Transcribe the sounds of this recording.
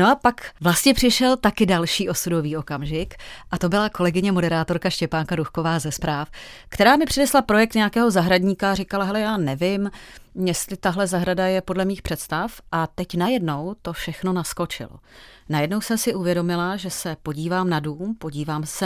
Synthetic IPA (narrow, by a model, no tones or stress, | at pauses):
no̞apakvlast̪ɲɛpr̝̥ɪʃɛlt̪akɪdalʃiːʔo̞sudo̞viːʔo̞kamʒɪkʔat̪o̞bɪlako̞lɛɡɪɲɛmo̞dɛɾaːt̪o̞ɾkaʃcɛpaːŋkaɾuxko̞vaːzɛspɾaːf | kt̪ɛɾaːmɪpr̥ɛdɛslapɾo̞jɛk̚t̪ɲɛjakɛːɦo̞zaɦɾaɟɲiːkaːrɪkalaɦɛlɛjaːnɛvɪmjɛst̪lɪt̪aɦlɛzaɦɾadajɛpo̞dlɛmiːxpr̥ɛt̪st̪afʔat̪ɛcnajɛdno̞wt̪o̞fʃɛxno̞nasko̞t͡ʃɪ̰lo̰najɛdno̞wsɛmsɪʔuvjɛdo̞mɪlaʒɛsɛpo̞ɟiːvaːmnaduːmpo̞ɟiːvaːmsɛ